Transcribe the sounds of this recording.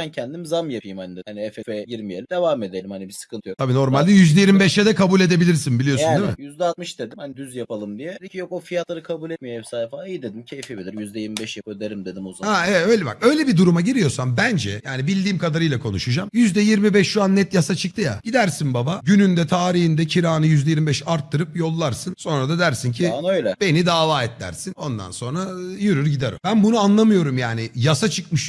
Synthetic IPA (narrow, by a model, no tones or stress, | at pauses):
ancʰɛnd̪imzamjapʰijimhand̪haniɛfefɛɟiɾmijelʲd̪e̞vaːme̞d̪elʲimhanibisɯ̥kʰɯnt̪ʰɯjot̪abiːno̞ɾmalʲd̪ɛjyzd̪ɛjiɾmibɛʃɛd̪ɛkʰabuːlʲe̞d̪e̞bilʲiɾsinbilʲijo̞aunːmɪjyzd̪ɛat̪̚mɯʃd̪e̞d̪imhand̪yzjapalˠɯmd̪ijɛd̪icʰijokofijat̪lˠaɾɯkʰabulʲɛt̪̚mijoɛsaːjɛfalˠaijid̪e̞d̪imcʰejfebilʲiɾjyzd̪ɛjiɾmibɛʃjapabilʲeɾʲimd̪e̞d̪imuzaɛvɛt̪ø̞jlʲɛba̰kø̞jlʲɛbid̪uɾumaɟiɾijo̞ɾsambænd͡ʒɛ̰jaːnibilʲd̪iːmkʰad̪aɾɯjlˠakʰo̞nuʃud͡ʒamjyzd̪ɛjiɾmibɛʃʃuanːɛt̪jasat͡ʃʰɯk̚t̪ʰɯja̰ɟ̥id̪æɾsinbabaɟynynd̪ɛt̪ʰaːɾihind̪ɛcʰiɾaːnɯjyzd̪ɛjiɾmibɛʃaɾt̪ʰːɯɾɯpjo̞lˠːaɾsɯnso̞nɾad̪ad̪æɾsincʰinøjlʲɛbe̞nid̪aːlˠaːɛt̪læ̰ɾsino̞nd̪a̰nso̞nɾajyɾyɾɟid̪ɛɾø̰bænbunuanlˠamɯjo̞ɾumjaːnɪjasat͡ʃʰɯkmɯʃ